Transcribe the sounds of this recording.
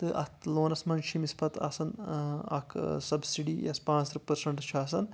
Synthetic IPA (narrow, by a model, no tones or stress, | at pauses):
t̪ɨʔɐ̰t̪loːnɐsmɐnʃimispʰɐt̪ɐ̰sɐnɐ̰kʰsɐbsiɖijɐ̰spãːt͡sɾɨpɐɾsɐɳʈt͡ʃʰaːs̬ɐn